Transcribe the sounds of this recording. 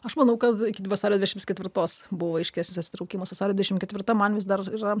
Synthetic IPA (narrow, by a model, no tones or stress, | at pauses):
ɐʃmɐnɐʊkɐt̪ɪkʲɪʋɐsɑːɾʲod̪ʲd̪ʲɛʃmt̪skʲɛt̪ʲʋʲɪɾt̪oːsbʊʋoɐɪʃʲkʲæːsnʲɪsɐt̪ʲsʲɪt̪ɾɐʊkʲiːmɐsʋɐsɑːɾʲod̪ʲd̪ʲɛʃɪmkʲɛt̪ʲɪɾt̪oːmɐnʋʲɪs̬d̪ɐriːɾɐ